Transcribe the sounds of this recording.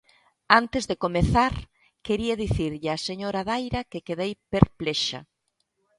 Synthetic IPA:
ant̪ɪzðekomeθaɾ | keɾiaðiθiɾʎɪaseɲoɾaðajɾɐkekeðejpeɾpleʃa̰

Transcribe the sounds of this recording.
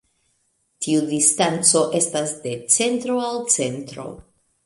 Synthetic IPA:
tʰiudistant͡so̞ʔe̞stasde̞t͡se̞ntɾo̞alt͡se̞ntɾo̞̰

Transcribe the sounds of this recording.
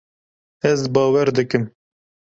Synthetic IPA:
ɛzbɑːwɛɾd̪ɨkɨm

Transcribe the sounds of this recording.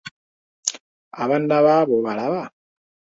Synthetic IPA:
aβandaβaβoβalaβa

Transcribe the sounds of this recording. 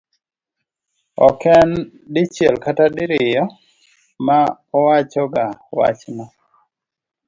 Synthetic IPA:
ɔ̰kɛn | dɪt͡ʃjɛlkatadɪɾɪjɔ | ma | ɔwat͡ʃɔɡawa̰t͡ʃna

